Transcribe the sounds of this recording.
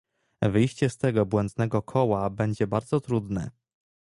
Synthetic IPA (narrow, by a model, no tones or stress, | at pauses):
vɘjɕt͡ɕɛst̪ɛɡɔbwɛnd̪nɛɡɔkʰɔwabɛɲd͡ʑɛbaɾd̪zɔt̪ɾud̪nɛ̰